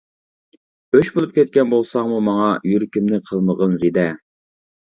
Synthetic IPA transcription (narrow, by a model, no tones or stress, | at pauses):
øʃbolˠup̚kʲɛt̪̚kʲɛnbolˠsɑŋmumɑŋɑjyɾkʲimnɪqʰəlˠməʁənzid̪ɛ